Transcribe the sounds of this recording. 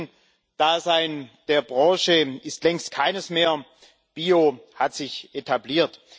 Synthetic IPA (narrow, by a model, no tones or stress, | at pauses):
n | d̥aːzaɪnd̥eːɐbʁɑ̃ːʃəɪstlɛŋstkʰaɪnəsmeːɐ | b̥iːohatz̥ɪçʔetʰabliːɐt